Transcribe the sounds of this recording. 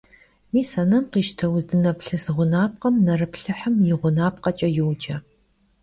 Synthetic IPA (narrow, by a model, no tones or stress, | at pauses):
miːsɐnɐmqiːʃtʰɐwzdɨnɐpɬɨsɨʁʷʊnaːp̚qɐmnɐrɨpɬɨħəmjɪʁʷʊnaːp̚qɐt͡ʃʼɐjɪwd͡ʒʼɐ